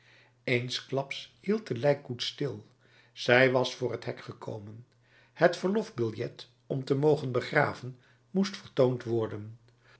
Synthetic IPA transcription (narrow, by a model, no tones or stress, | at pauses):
ejnsklɑpshilˠt̚əlɛjkːutstɪlˠ | z̥ɛjʋɑsfʊːrətɦɛkχəkʰo̰wmən | hətfəɹlɔfbɪlˠjɛt | ɔmtəmowχənbəχra̰ːvən | mustfəɹtowntʋɔɹdən